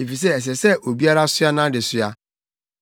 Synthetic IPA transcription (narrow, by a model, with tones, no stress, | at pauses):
e˨fi˨s̬e˦˨ɛ˨s̬ɛ˨sɛ˦ʔo˨bi˦a˦ɾa˦sʊ˦a˦nã˦dɪ˨sʊ˦a˦